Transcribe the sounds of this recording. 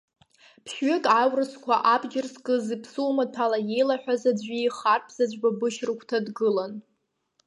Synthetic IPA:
pʰʃɥʏkʼawrɨskʷʰaʔabd͡ʒɪrskʼɨzipʰsumapʰalaje̞jlaħʷᶣazad͡ʑʷiχarpʰz̥ad͡ʒʷbabɨʃrɨkʷʰtʰadɡɨlan

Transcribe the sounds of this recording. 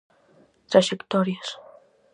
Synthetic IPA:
t̪ɾaʃekt̪oɾjas

